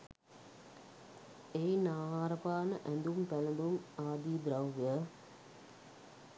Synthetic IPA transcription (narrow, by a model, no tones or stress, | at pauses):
ejnaːaɾɐpaːnɐʔænd̪umpælɐnd̪umaːd̪iːd̪ɾɐwʋə